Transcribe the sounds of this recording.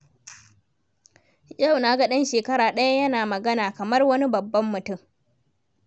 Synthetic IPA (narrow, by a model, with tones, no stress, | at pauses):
ja˦˨wna˦ɡɐ˦ɗɐ˦nʃeː˨kɐ˦ɾaː˨ɗɐ˦ja˦jɐ˦naː˨mɐ˨ɡɐ˦naː˨kɐ˨mɐ˦rwɐ˦ni˦bɐ˨bːɐ˦mːʊ˨tʊ˦˨m